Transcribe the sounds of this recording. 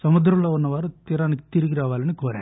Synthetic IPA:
sɐmʊd̪ɾɐmlɐɔnːɐʋaːɾɯt̪iɾaːnɯkːt̪ɪɾɯɣɪɾaːʋaːlɐnːɯkoːɾɛ̰̃ː

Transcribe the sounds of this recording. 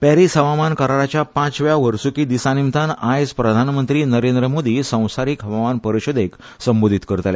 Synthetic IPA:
pɛɾisɦəʋamankəɾaɾat͡ɕjapãt͡sʋjaʋəɾsuːkiːd̪isanimt̪anajspɾəd̪ʱanmənt̪ɾiːnəɾend̪ɾəmod̪iːsə̃w̃saɾiːkɦəʋamanpəɾiɕod̪ek | səmbod̪ʱit̪kəɾt̪lḛ

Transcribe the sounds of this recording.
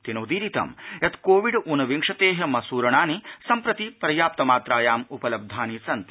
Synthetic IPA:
t̪inoːd̪iːɾit̪ɐ̰mjɐt̪koːʋiɖunɐʋiŋʂɐt̪eːɦɐmɐsuːɾɐɳaːnisɐmpɾɐt̪ipɾɐjaːp̚t̪ɐmaːt̪ɾaːjaːmupɐlɐb̚d̪ʱaːnisɐnt̪i

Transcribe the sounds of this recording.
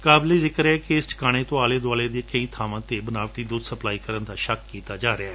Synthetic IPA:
kaːbleːzɪkɾeɛːkeɪsʈkaːɽ̃eːt̪õːaːleːd̪ʊaːleːd̪eːkəĩːt̪ʰaːʋãːt̪eːbənaːʋʈiːd̪uːd̪səplaːiːkəɾənd̪aːʃəkːiːt̪aːd͡ʒaːɾɪaɛː

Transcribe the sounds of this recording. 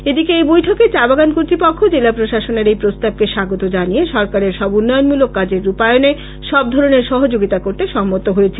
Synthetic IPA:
ed̪ikeejbojʈʰɔket͡ɕabaɡankoɾt̪ɾipokʰːod͡ʑelapɾoʃaʃoneɾejpɾost̪ab̚keʃaɡot̪od͡ʑanijeʃɔɾkaɾeɾʃɔbunːɔjonmulokːad͡ʑeɾːupajone | ʃɔb̚d̪ʱɔɾoneɾʃɔɦod͡ʑoɡit̪akoɾt̪eʃɔmːot̪oɦojet͡ɕʰe

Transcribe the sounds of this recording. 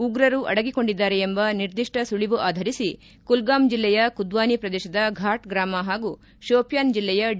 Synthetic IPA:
uɡɾɐɾuʔɐ̰ɽɐɡiko̞ɳɖid̪ːaːɾeembɐniɾd̪iʂʈɐsuɭiʋuʔaːd̪ʱɐɾisi | kulɡaːmd͡ʒilːɛjɐkud̪ʋaːnipɾɐd̪ɛːʃɐd̪ɐɡʱaːʈɡɾaːmɐɦaːɡu | ʃoːpjaːnd͡ʒilːɛjɐ

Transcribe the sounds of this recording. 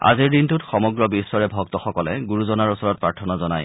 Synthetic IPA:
a̰ziɹdintutxɔmɔɡɹɔbisːɔɹɛbʱɔɡ̚tɔxɔkɔlɛ̰ɡuɹuzɔnaɹusɔɹɔt̚pɹaɹtʰɔnazɔna̰j

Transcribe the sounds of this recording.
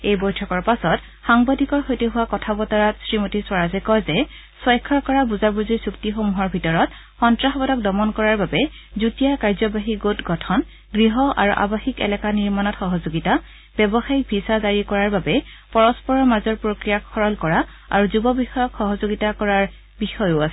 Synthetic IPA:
ejbɔjtʰɔkɔɹpasɔt | xaŋbadʱikɔɹxojteɦʊwakɔtʰabɔtaɹatsɹimotiswaɹazɛkɔjzɛ | swɔjkʰːɔɹkɔɹabuzabuzisuktixomuɦɔɹbʱitɔɹɔt | xɔntɹaxɔbɔdɔk̚dɔmɔnkɔɹaɹbabɛ | zutijakaɹzɔbaɦiɡotɡɔtʰɔn | ɡɹiɦɔʔa̰ɹṵʔa̰baxikɛ̰lɛkaniɹmanɔtxɔɦɔzoɡita | b̥ɛbɔxajik̚bʱisazaɹikɔɹaɹbabɛ | pɔɹɔspɔɹɔmazɔɹpɹokɹijakʰɔɹɔlkɔɹa | a̰ɹuzubɔbixɔjɔkxɔɦɔzoɡitakɔɹaɹ | bixɔjʊasɛ

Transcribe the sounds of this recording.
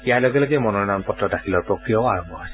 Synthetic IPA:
ijajlɔɡɛloɡɛmɔnɔɹnanpɔtɹɔdaxʰilɔɹpɹɔkɹijɔaɹɔmbɔɦɔjs

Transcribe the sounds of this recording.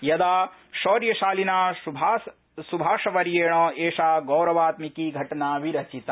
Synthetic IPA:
jɐd̪aːʃoːɾjɐʃaːlinaːb | subʱaːʂɐʋɐɾjeːɳ̃ɐeːʂaːɡɐːɾɐʋaːt̪mikiɡʱɐʈɐnaːʋiɾɐt͡ʃit̪ɐ

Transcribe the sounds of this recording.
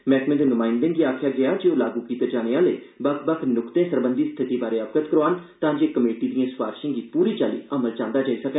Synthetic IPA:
mɛ̃ːkmẽd̪eːnʊmaːɪnd̪ɪ̃ŋɡiːaːkʰjaːɡɪaːd͡ʒeːoːlaːɡuːkiːt̪ed͡ʒaːñeːaːleːbəkbəkʰnʊkt̪ẽːsəɾbənd̪iːst̪ʰɪt̪iːbaːɾeːəpkət̪kəɾoaːnt̪ãːd͡ʒeːkəmeːʈiːd̪ijãːsʋaːɾʃẽːŋɡiːpuːɾiːt͡ʃaːlḭːəməlt͡ʃãːnd̪aːd͡ʒaːiːsəkɛ

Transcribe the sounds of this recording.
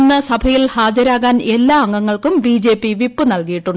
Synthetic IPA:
nːɐsɐbʱɐjilhaːd͡ʑɐɾaːɣaːne̞lːaːɐŋɡɐŋːɐɭkumbiːd͡ʑe̞ːpːiʋipːɨnɐlkijiʈːuɳɖ

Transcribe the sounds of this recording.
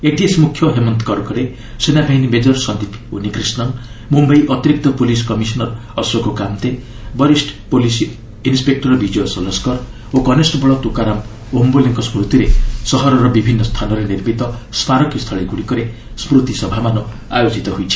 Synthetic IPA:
eʈiesmukʰːjɔɦemɔnt̪ɔ̥kɔɾkɔɾe | senabʱainimed͡ʒɔɾsɔnd̪ipunikɾisnɔn | mumbajʔɔt̪iɾik̚t̪ɔpoliskɔmisɔnɔɾɔswɔkokamt̪e | bɔɾisʈpolis | inspek̚ʈɔɾɔbid͡ʒiosɔlɔskɔɾ | okɔnesʈbɔɭɔt̪ukaɾam | omboleŋkɔsmɾut̪iɾesɔɦɔɾɔɾɔbibʱinːɔst̪ʰanɔɾeniɾmit̪ɔspaɾɔkjist̪ʰɔɭeɡuɽikɔɾe | smɾut̪isɔbʱamanɔ | a̰jod͡ʒit̪ɔɦojt͡ʃʰi̥

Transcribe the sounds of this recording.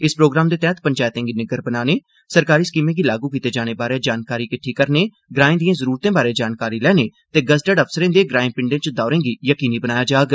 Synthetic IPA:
ɪspɾoːɡɾaːmd̪eːt̪ɛːət̪pəɲt͡ʃaːjt̪ẽːŋɡinɪɡəɾbənaːneː | səɾkaːɾiːskiːmẽːɡiːlaːɡuːkiːt̪eːd͡ʒaːñeːbaːɾeːd͡ʒaːnkaːɾiːkɪʈʰːiːkəɾneː | ɡɾaːĩːd̪ijãːzəɾuːɾt̪ẽːbaːɾeːd͡ʒaːnkaːɾiːlɛːneːt̪eːɡəzʈəɖəpʰsəɾẽːd̪eːɡɾaːɪ̃pɪɳɖẽːt͡ʃd̪ɔːɾẽːɡiːjəkiːniːbənaːjaːd͡ʒaːɡ

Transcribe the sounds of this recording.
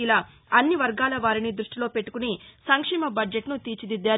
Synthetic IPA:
ilɐ | ɐnːiʋɐɾɡaːlɐʋaːɾinid̪ɾuʂʈilo̞ːpe̞ʈːu̥kunisɐŋkʂɛːmɐbɐd͡ʒeʈnut̪iːt͡ʃid̪id̪ːaː

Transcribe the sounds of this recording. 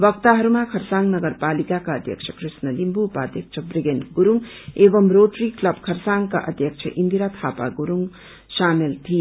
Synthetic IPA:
bʌk̚t̪aɦʌɾumakʰʌɾsaŋnʌɡʌɾpalikakaʌd̪ʱjʌ̰kt͡ʃʰʌkɾisnʌlimbuːpaːd̪ʱjʌk̚t͡ʃʰʌbɾiɡenɡ̥uɾuŋ | ebʌmɾoʈɾiklʌb̚kʰʌɾsaŋka̰ʔʌ̰d̪ʱjʌk̚t͡ʃʰʌ̰ʔind̪iɾat̪ʰapa̰ɡuɾuŋ | samelt̪ʰi

